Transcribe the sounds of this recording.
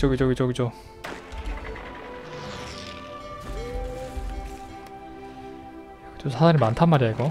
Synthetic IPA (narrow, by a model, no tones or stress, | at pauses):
ʌɡid͡ʑʌɡid͡ʑʌɡid͡ʑo | kɯt͡ɕomsʰasʰaɾimantʰanmaɾiaɡo